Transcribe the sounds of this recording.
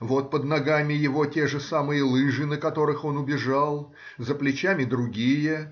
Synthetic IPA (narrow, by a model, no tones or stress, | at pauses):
vo̞t̪̚pəd̪̚nɐɡamʲɪjɪvo̞tʲe̞ʐɨsamɨjəlˠɨʐɨnəkɐt̪o̞ɾɨxo̞nʊbʲɪʐalˠ | zəplʲɪt͡ɕamʲɪd̪ɾʊɡʲijə